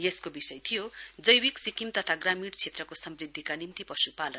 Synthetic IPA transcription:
jeskobisʌjt̪ʰijod͡zʌjwiksikimt̪ʌt̪ʰaɡramiɽt͡sʰet̪rʌkosʌmrid̪ʱːikanimt̪ipʌsupalʌn

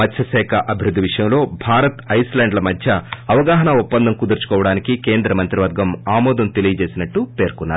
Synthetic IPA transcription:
ɐd̪ʰjɐsɛːkʰɐʔɐbʱiɾud̪ːiʋiʂɐjɐmlo̞ːbʱaːɾɐt̪ɐjslaːɳɖlɐmɐd̪ʱjɐɐʋɐɡaːɦɐnɐupːɐnd̪ɐmkud̪ɐɾt͡ʃu̥kɔːʋɐɽaːnikike̞ːnd̪ɾɐmɐnt̪ɾiʋɐɾɡɐmaːmɔːd̪ɐmt̪e̞lijɐt͡ʃe̞ːsinɐʈːupe̞ːɾkunːaːɾu

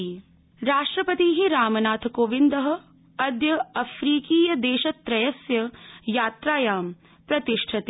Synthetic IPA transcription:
ɾaːʂʈɾɐpɐt̪iːɦiɾaːmɐnaːt̪ʰɐkoːʋind̪ɐɦɐ̆ | ɐd̪jɐɐfʰɾiːkiːjɐd̪eːʃɐt̪ɾɐjɐsjɐjaːt̪ɾaːjaːm | pɾɐt̪iʂʈʰɐt̪ː

